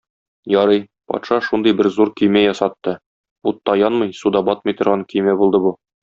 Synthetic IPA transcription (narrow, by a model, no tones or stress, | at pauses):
jɒɾɤj | pɒ̰t̪ʃɑʃund̪ɤjbɘɾzuɾkɵ̆jmæjɒsɑt̪ːɤ | ut̪ːɑjɒnmɤjsud̪ɑbɒt̪̚mɤjt̪ŏɾʁɑŋkɵ̆jmæbulˠd̪ɤbu